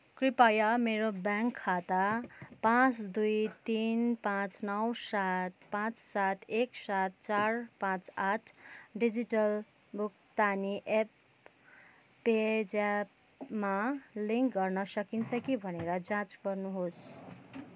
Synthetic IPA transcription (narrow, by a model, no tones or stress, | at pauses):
kripajʌmeɾobjãŋkʰːat̪apãt͡sd̪ujt̪inpãt͡snʌwsat̪pãt͡ssat̪eksat̪̚t͡sarpãt͡saʈʰɖid͡ziʈʌl | buk̚ | t̪aniʔep | ed͡zap | maliŋkɡʌrnʌsʌkint͡sʰʌkibʱʌneɾʌd͡zãt͡sɡʌrnuɦos